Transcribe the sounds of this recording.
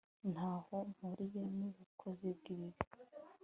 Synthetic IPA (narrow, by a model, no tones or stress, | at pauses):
nhaːho̞m̥uɾijoniβikʰozib̚ɡiβiɾi